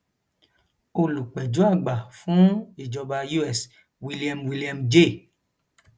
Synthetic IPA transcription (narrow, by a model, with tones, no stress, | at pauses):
o˧lu˨k͡pɛ˨d͡ʒu˨˦a˦˨ɡ͡ba˨fũ˨˦i˨d͡ʒɔ˧ba˧ju˦ɛ˦˨s | wi˦li˦a˧mwi˧li˦a˧md͡ʒe˦˨